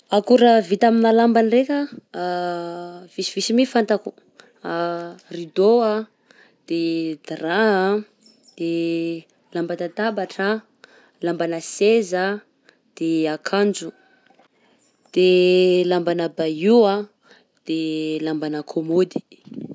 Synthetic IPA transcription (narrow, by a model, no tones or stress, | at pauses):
akuɾəvit̪aminalambanrekʲə | v̥isivisimifant̪aku̥ | arid̪oa | d̪̥ed̪raa | d̪̥e | lambanət̪abaʈ͡ʂa | lambanəseza | d̪̥eakʰand͡ʒu | d̪̥elambanəbaia | d̪̥elambanəkʰomod̪i̥